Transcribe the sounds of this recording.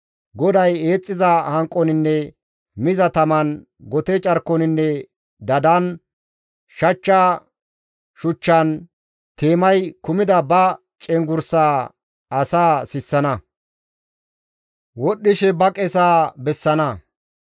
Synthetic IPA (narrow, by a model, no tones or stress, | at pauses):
ɡɔd̪ɐje̞ːt͡sʼːɪzɐhɐŋkʼːɔnɪnːɛ | mɪzɐt̪ɐmɐn | ɡɔt̪ɛt͡ʃʼɐɾkːɔnɪnːɛ | d̪ɐd̪ɐn | ʃɐt͡ʃːa | ʃʊt͡ʃːɐn | t̪e̞ːmɐjkʊmɪd̪ɐbɐ | t͡ʃʼɛŋɡʊɾsaː | ɐsaːsɪsːɐnɐ | wɔɗːɪʃɛbɐkʼɛsaːbɛsːɐnɐ